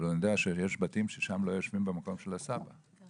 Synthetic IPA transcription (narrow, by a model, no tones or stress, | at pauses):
lonod̪eaʃejeʃbatimʃeʃamlo̞joʃmimbemako̞mʃelasaba